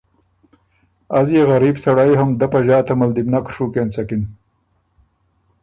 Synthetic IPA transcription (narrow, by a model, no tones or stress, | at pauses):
azjeɣaɾiːbsaɽajɦamd̪apaʒɑːt̪amald̪ibnakʂuːkent͡sakin